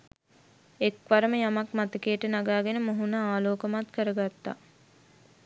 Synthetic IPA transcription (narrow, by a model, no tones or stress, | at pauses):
ekʋaɾəməjamakmat̪əkeːʈənaɡaːɡenəmoɦunəaːloːkəmat̪kəɾəɡat̪ːa